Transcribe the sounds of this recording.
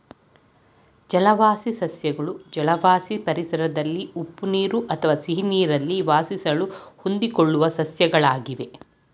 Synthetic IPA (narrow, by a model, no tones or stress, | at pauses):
d͡ʒɐlɐʋaːsisɐsjɐɡɐɭud͡ʒɐlɐʋaːsipɐɾisɐɾɐd̪ɐlːiupːuniːɾuʔɐt̪ʰɐʋaːsiɦiniːɾɐlːiʋaːsisɐɭuhond̪ikoɭːuʋɐsɐsjɐɡɐɭaːɡiʋe̞